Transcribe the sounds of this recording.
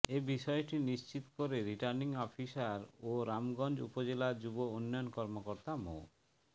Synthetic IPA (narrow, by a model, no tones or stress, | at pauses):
ebiʃɔeʈinist͡ɕit̪ɔ̥koɾeɾiʈaɾniŋɔpʰisaɾoɾamɡɔnd͡ʑṵpod͡ʑelad͡ʒubounːɔjɔnkɔɾmokɔɾt̪amo̰